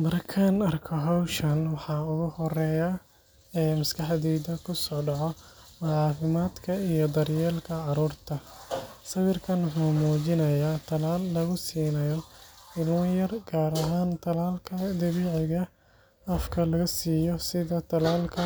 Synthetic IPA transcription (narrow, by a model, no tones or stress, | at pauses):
mɐrkʰaːnɐrkʰɔɦɐwʃɐnwɑħɑːʊɣʊhɔrɛːja | ɛːmɐskʰɑħd̪ɛːðɐkʰʊsɔːɖɑʕɔ | mʊʕɑːfɪmaːd̪kʰɐijɔd̪ɐrjɛːlkʰɐʕɑɾuːrt̪ʰɐsɐwɪrkʰɐnwħuːmuːt͡ʃɪnɐjaːt̪ʰɐlaːlːɐɣʊsiːnɐjɔɪluːjɐrɡaːɾɐɦaːnt̪ʰɐlaːlkʰɐd̪ɐβiːʕɪɣɐ | ɐfkʰɐlɐɣɐsiːjɔsɪðɐt̪ʰɐlaːlkʰɐ